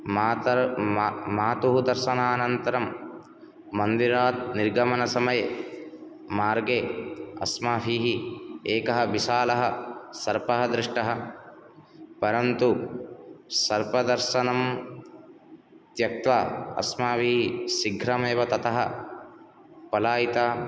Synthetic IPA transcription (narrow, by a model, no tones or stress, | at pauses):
t̪ | maːt̪uɦud̪ɐɾʃɐnaːnɐnt̪ɐɾɐmː | ɐnd̪iɾaːt̪̚niɾɡɐmɐnɐsɐmɐje | maːɾɡeːɐ̰smaːfiːɦieːkɐɦɐʋiʃaːlɐɦɐsɐɾpɐɦɐd̪ɾɪʂʈɐɦɐ | pɐɾɐnt̪u | sɐɾpɐd̪ɐɾʃɐnɐm | t̪jɐk̚t̪ʋɐɐ̰smaːʋiːɦisiɡʱɾɐmeːʋɐt̪ɐt̪ɐɦɐ | pɐlaːjit̪aː